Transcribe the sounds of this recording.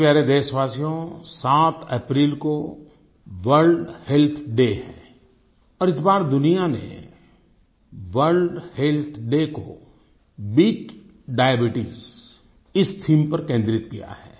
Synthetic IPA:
pjaːɾed̪eːʃʋaːsijõsaːt̪ʰɛpɾiːlko | ʋəɾɖhelt̪ʰɖeɦɛ̰̃ː | ɔːɾɪsbaːɾd̪ʊnijanḛ | ʋəɾɖhelt̪ʰɖeko | bɪɡ | ɖaːebɪʈiːz | ɪst̪ʰiːmpɐɾkẽːnd̪ɾɪt̪kija̰ɦɛː

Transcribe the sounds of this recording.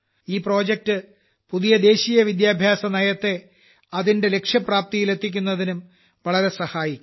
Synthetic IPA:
iːpro̞ːd͡ʑek̚tɨ | puðijɐd̪e̞ːɕiːjɐʋid̪jaːbʱjaːsɐnɐjɐt̪ːe̞ | ɐðinde̞le̞kʂjɐpraːp̚t̪ijile̞t̪ʰːik̬ʲːunːɐðinum | ʋɐɭɐɾe̞sɐhaːjikʲː

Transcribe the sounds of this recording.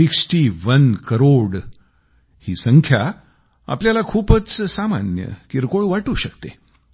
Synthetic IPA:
iksʈiʋənkəɾoɽ | hiːsəŋkʰja | a̰pljalakʰuːpət͡ssama̰njə̰kiɾkoɭʋaʈuːɕəkt̪e

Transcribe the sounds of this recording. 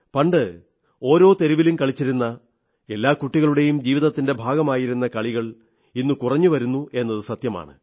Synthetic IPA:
pɐɳɖɨ | o̞ːɾo̞ːt̪e̞ɾiʋilumkɐɭit͡ɕːiɾunːɐ | e̞lːaːkuʈːiɣɐɭuɽe̞jumd͡ʑiːʋiðɐt̪ːinde̞bʱaːɡɐmaːjiɾunːɐkɐɭiɣɐɭ | inːukurɐɲːuʋɐɾunːue̞nːɐðɨsɐt̪jɐma̰ːɳɨ̰

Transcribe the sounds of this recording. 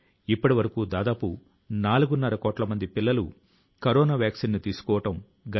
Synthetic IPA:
ipːɐʈiʋɐɾɐkuːd̪aːd̪aːpu | naːluɡunːɐɾɐkɔːʈlɐmɐnd̪ipilːɐlṵ | kɐɾɔːnaːʋjaːksinːut̪iːsu̥kɔːʋɐʈɐm | ɡɐ

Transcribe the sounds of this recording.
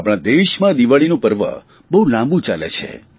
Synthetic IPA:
apɽ̃ãd̪eʃmãd̪iʋaɭinũpəɾʋə̰ | bəɦulãmbũt͡ʃalḛt͡ʃʰḛ

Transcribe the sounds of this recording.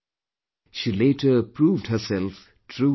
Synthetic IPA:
ʃiːleːʈʰəpɾuːvɖhəsɛlf | ʈʰɾuː

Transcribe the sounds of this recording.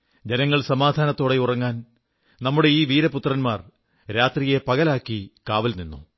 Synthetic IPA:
d͡ʑe̞nɐŋːɐɭsɐmaːd̪ʱaːnɐt̪ːo̞ːɽe̞urɐŋːaːn | nɐmːuɽe̞iːʋiːɾɐput̪ːrɐnmaːr | ɾaːt̪rije̞pɐɣɐlaːkːikaːʋɐlninːṵ

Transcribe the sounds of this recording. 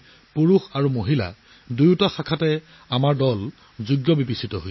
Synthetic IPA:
puɹuxaɹumoɦila̰ | dujutaxakʰatɛ | amaɹdɔl | zuɡjɔbibisitɔɦoj

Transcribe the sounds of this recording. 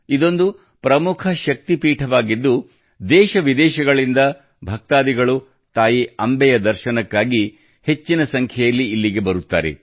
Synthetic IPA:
id̪o̞nd̪u | pɾɐmukʰɐʃɐk̚t̪ipiːʈʰɐʋaːɡid̪ːu | d̪ɛːʃɐʋid̪ɛːʃɐɡɐɭind̪ɐ | bʱɐk̚t̪aːd̪iɡɐɭu | t̪aːjiɐmbɛjɐd̪ɐɾʃɐnɐkːaːɡi | he̞t͡ʃːinɐsɐŋkʰɛjɐlːiːlːiɡe̞bɐɾut̪ːa̰ːɾe̞̰

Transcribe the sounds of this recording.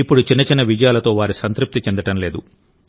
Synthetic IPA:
ipːuɽut͡ʃinːɐt͡ʃinːɐʋid͡ʒɐjaːlɐt̪o̞ːʋaːɾisɐnt̪ɾup̚t̪it͡ʃeɛnd̪ɐʈɐmle̞ːd̪u

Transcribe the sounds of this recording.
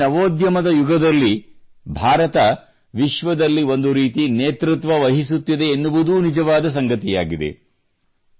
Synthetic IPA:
nɐʋoːd̪jɐmɐd̪ɐjuɡɐd̪ɐlːi | bʱaːɾɐt̪ɐ | ʋiʃʋɐd̪ɐlːio̞nd̪uɾiːt̪ineːt̪ɾut̪ʋɐʋɐɦisut̪ːid̪e̞ːnːuʋud̪uːnid͡ʒɐʋaːd̪ɐs̬ɐŋɡɐt̪ija̰ːɡid̪e̞̰

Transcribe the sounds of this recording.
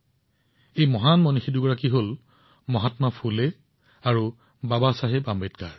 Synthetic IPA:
ejmɔɦanmɔnixiduɡɔɹakiɦol | mɔɦatmapʰule | aɹu | babasaɦɛbambetkaɹ

